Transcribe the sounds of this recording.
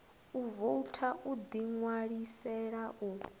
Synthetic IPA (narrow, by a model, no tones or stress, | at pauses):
uvoutʰaʔud̪iŋwaɺisɛɺaʔu